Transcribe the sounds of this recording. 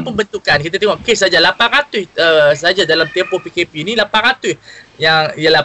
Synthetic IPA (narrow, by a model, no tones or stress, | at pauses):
pəmbənt̪ukankit̪at̪eŋoʔkes̬ad͡ʒalapanɾat̪ʊsəsad͡ʒadalamt̪ɛmpɔpikepiːnilapanɾat̪ʊjaŋijala